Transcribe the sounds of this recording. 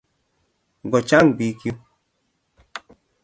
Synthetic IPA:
ɡɔ˨t͡ʃa˦ŋbi˨˦ki˦o˦

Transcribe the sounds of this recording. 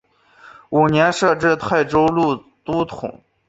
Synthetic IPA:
u˨˩njɛ˧˥nʂɤ˥˧ʈ͡ʂɻ̩˥˧t̪ʰa˥˩ɪʈ͡ʂo˥ʊlu˥˩ | t̪u˥t̪ʰʊ̰˨˩˦ŋ

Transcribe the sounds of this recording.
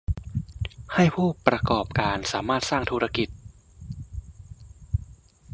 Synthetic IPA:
ha˥˩jpʰuː˥˩pɾa˧kɔː˨˩p̚kaː˧nsaː˩˦maː˥˩t̪̚saː˥˩ŋt̪ʰuː˧ɾa˧ki˨˩t̪̚

